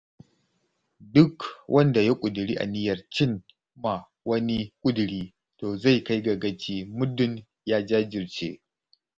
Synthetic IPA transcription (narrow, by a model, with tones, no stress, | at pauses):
dʊ˦kwʔɐ˦nda˨ja˦kʷʼʊ˨dɪ˨ɾiː˦ʔa̰˨nɪ˦jɐ˨rt͡ʃɪ˦˨n | ma˨ | wɐ˦ni˦kʷʼʊ˦dɽiː˦ | toː˨za˦˨jka˦jɡɐ˨ɡɐ˦t͡ʃiː˦mʊ˦dʊ˨n | jaː˦d͡ʒaː˦d͡ʒɪ˨rt͡ʃḛː˦